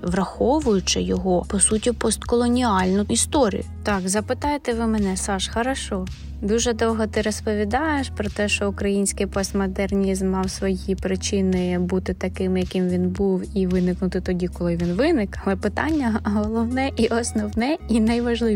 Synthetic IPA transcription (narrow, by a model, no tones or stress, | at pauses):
ʋɾɐxɔʋʊjʊt͡ʃɪjɔɦɔpɔsutʲipɔst̪kɔlˠɔnʲiɑlʲnʊist̪ɔɾʲḭjʊt̪ɑkzɐpɪt̪ɑjet̪ɛʋɪmɛnɛsɑʃxɐɾɐʃɔ | d̪uʒɛd̪ɔwɦɔt̪ɪɾɔspɔʋʲid̪ɑjeʃpɾɔt̪ɛʃt͡ʃɔʊkɾɐjinʲsʲkɪjpɔst̪mɔd̪ernʲizmːɑwsʋɔjipɾɪt͡ʃɪnɪbut̪ɪt̪ɐkɪmjɐkɪmʋʲinbuwiʋɪnɪknʊt̪ɪt̪ɔdʲikɔlˠɪʋʲinʋɪnɪkɐlˠɛpɪt̪ɑnʲːɐɦɔlˠɔwnɛʔiʔɔsnɔwnɛinɐjʋɐʒlˠɪ